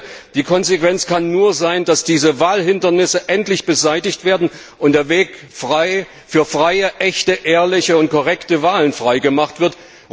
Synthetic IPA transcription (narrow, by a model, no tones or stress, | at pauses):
d̥iːkʰɔnzekv̥ɛnt͡skanːuːɐzaɪndasd̥iːzəvaːlɦɪndɐnɪsəʔɛntlɪçb̥əzaɪtɪçtv̥eːɐdn̩ | ʔʊntd̥eːɐveːk | fʁaɪ | fyːɐfʁ̥aɪəʔɛçtəʔeːɐlɪçəʊnt̚kʰɔʁɛktəvaːlənfʁ̥aɪɡəmaχtv̥ɪɐt